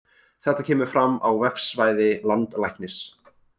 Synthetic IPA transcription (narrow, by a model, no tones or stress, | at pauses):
θɛht̪acʰɛːmʏɾ̥fɾamːawvɛfsvaːjðɪlant̪lajhknɪs